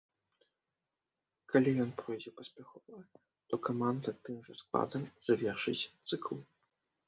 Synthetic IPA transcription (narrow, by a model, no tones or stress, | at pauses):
kalʲijɔnpɾɔjd͡zʲɛpɐsʲpʲaxɔva | t̪ɔkamand̪ɐt̪ɨmʐɐsklˠa̰d̪ɐmz̥avʲɛrʂɨt͡sʲt̪sɨklˠ